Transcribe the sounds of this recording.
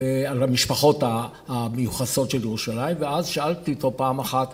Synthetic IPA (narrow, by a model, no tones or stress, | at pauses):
alamiʃpaχo̞t̪aː | mejuχaso̞t̪ʃeljeʁuʃalaimveazʃaalt̪iot̪o̞paːmaχat̪